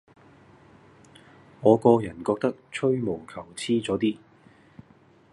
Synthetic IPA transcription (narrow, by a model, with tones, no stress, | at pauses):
ŋɔː˨˧kɔː˧jɐ˨˩nkɔː˧k̚t̪ɐ˥k̚t͡ʃʰɵ˥ɥmo˨˩wkʰɐ˨˩wt͡sʰiː˥t͡sɔː˨˥t̪iː˥